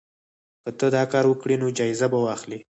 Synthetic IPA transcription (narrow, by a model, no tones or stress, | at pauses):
kət̪əd̪ɑkɑɾwəkɽinod͡ʒɑɪzabawɑxli